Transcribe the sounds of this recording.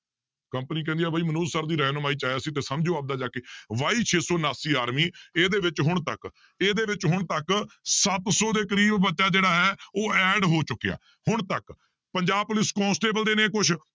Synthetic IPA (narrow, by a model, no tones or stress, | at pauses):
kəmpəniːkɛ̃ːnd̪ijaːbaːiːmənuːzsəɾd̪iːɾɛːnmaːiːt͡ʃaːjaːsiːt̪eːsəmd͡ʒoːap̚d̪aːd͡ʒaːkeːʋaːiːt͡ʃʰeːsɔːnaːsiːaːɾmiːeːd̪eːʋɪt͡ʃɦʊɳ̃t̪ə̰k | eːd̪eːʋɪt͡ʃɦʊɳt̪əksət̪sɔːd̪eːkəɾiːbbətːʃaːd͡ʒeːɽaːɦɛːoːɛːɖɦoːt͡ʃʊkːeja̰ː | hʊɳt̪ək | pəɲd͡ʒaːb̚pʊlɪskɔ̃ːnsʈeːbəld̪eːneːkʊt͡ʃʰ